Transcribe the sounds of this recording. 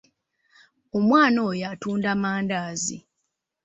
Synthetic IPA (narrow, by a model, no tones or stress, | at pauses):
o̞mwaːnojatuːndamaːndaːzḭ